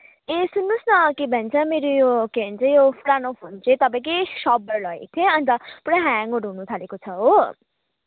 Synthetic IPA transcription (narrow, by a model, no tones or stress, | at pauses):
esunːusnʌkebʱʌnt͡sʰʌmeɾojokeɦʌnt͡sʰʌjopʰuɽanopʰont͡sʰet̪ʌpãĩkesʌbʌɾlʌḛk̚t̪ʰẽʌnt̪ʌpuɽãɦaŋoʈɦunut̪ʰalekot͡sʰʌɦo